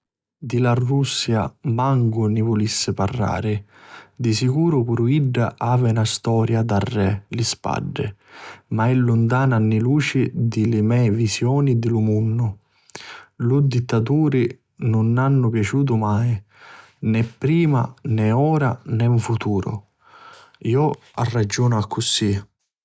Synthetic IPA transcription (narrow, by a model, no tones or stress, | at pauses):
d̪ilarːusːja̰maŋɡʊnɪvʊlisːɪparːa̰ːɾɪd̪isikuːɾʊpuɾuiɖːa̰ʔaːvɪnast̪ɔːɾjad̪arːɛlɪspa̰ɖːɪ̰maɛlːʊnt̪aːnanːɪluːt͡ʃid̪ɪlɪmɛvisjɔːnid̪ɪlʊmunːʊ | lud̪it̪ːat̪̬uːɾɪ | nʊnːanːʊpjat͡ʃuːt̪̬ʊmaj | nɛpːɾiːma̰nɛɔːɾanɛɱfut̪uːɾʊ̰ | iːɔ | a̰rːad͡ʒːuːnʊakʰːʊsi